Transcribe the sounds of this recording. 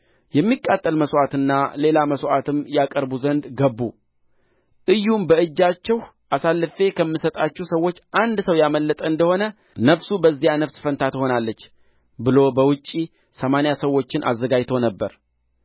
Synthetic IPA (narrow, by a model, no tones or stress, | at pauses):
jɛmːikʼːat̪ʼːəlməsʔat̪ɨnːale̞laməsʔat̪ʰɨmjakʼəɾbuzənd̪ɡəbːu | ʔɨjːumbəɨd͡ʒːat͡ʃːɛw | ʔasalːɨfe̞kʰəmːɨsət̪ʼat͡ʃːusəwːo̞t͡ʃːʔand̪səwjaməlːət̪ʼəɨnd̪əho̞nə | nəfsubəzːijanəfsfənt̪ʰat̪ho̞nalːət͡ʃː | bɨlo̞bəwʊt͡ʃʼːi | səmanjasəwːo̞t͡ʃːɪnʔa̰zːəɡajt̪ʰo̞nəbːəɾ